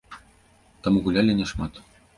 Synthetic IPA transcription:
t̪ɤ̆mɣulʲælʲɘ̆nʲĕʂmɑt̪

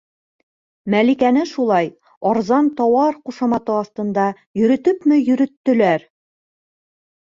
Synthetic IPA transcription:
mælikænɘʃulˠɑj | ɒɾzɑnt̪ɒwɑɾquʃɑmɑt̪ɤɒst̪ɤ̆nd̪ɑ | jɵ̆ɾɵ̆t̪ɵpmɘjɵ̆ɾɵ̆t̪ːɵ̆læɾ

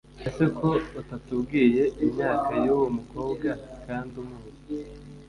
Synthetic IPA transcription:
ese̞kʰo̞otatubɡiːje̞ʔimɲaːkajuwomuko̞ːbɡakaːndumuːzi̥

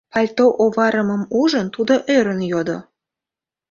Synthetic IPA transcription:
pɑlʲt̪oʔoβɑɾəməmuʒənt̪ud̪oʔøɾənjod̪o̰

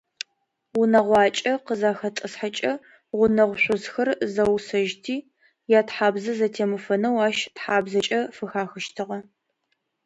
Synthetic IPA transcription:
wʊnɐʁʷɑːt͡ʃʼɐqəzaːxɐt͡sʼɐsħat͡ʃʼɐ | ʁʷʊnɐʁʷɕʷʊzxɐrzɐwsɐʒtʰiː | jaːtħaːbzɐzɐtʰeːmɨfɐnɐwaːʃtħaːbzɐt͡ʃʼɐfɨxaːxɐʃtʰɨʁɐ

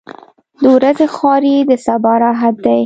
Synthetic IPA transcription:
d̪əwɾazexɑɾid̪əsabɑɾaɦad̪ːaj

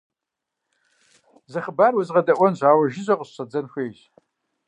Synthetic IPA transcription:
zɐχəbaːrwɐzʁɐdɐʔʷɔnʑʷaːwɐʒɪʑʷɐqəɕɕɐd͡zɐnxʷeːɕ

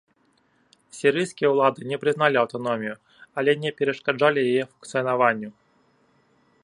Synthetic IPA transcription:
sʲiɾɨjskʲijɐwlˠad̪ɨnʲɛpɾɨznalʲiawt̪anɔmʲiju | alʲɛnʲɛpʲɛɾɐʂkad͡ʐalʲijajɛfunkt̪sɨjɐnavanʲːu

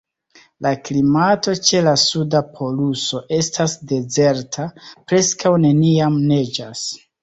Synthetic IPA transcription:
laklimato̞t͡ʃe̞lasudapʰo̞luso̞ʔe̞stasde̞ze̞ɾtʰapɾe̞skawne̞niamne̞d͡ʒas

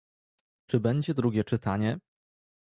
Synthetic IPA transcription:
t͡ʂɘbɛɲd͡ʑɛd̪ɾuɡʲɛt͡ʂɘt̪aɲɛ

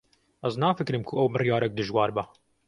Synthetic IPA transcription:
ʔɛznɑːfɨkɾɨmkʰʊʔɛwbɨrijɑːɾɛk̚d̪ɨʒwɑːɾbɛ

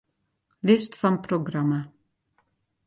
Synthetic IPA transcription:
lɪst̪fɔmpʰɾʊɡɾɑmə

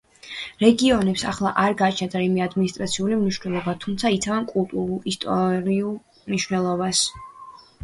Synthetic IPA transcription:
ɾɛɡiɔnɛpsaχlˠaʔaɾɡat͡ʃʰnad̪ʰaimiad̪minist̪ʼɾat̪sʰiulimniʃwnɛlˠɔbat̪ʰumt̪sʰait̪sʰavankʼulˠt̪ʼuɾulˠist̪ʼɔɾiulˠ | mniʃwnɛlˠɔbas

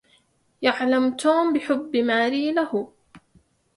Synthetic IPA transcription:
jaʕlamt̪uːmbɪħʊbːmaːɾiːlahʊ

